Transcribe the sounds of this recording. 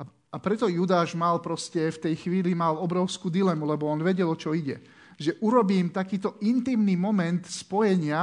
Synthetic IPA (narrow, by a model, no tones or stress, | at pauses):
a | apɾɛt̪ɔjud̪aːʒmalpɾɔscɛft̪ɛjxʋiːlimalɔbɾɔʊskuːd̪ilɛmulɛbɔɔnʋɛɟɛlɔt͡ʃɔiɟɛ̰ | ʒɛʔuɾɔbiːmt̪akiːt̪ɔʔint̪iːmniːmɔmɛnt̪spɔjɛɲɪa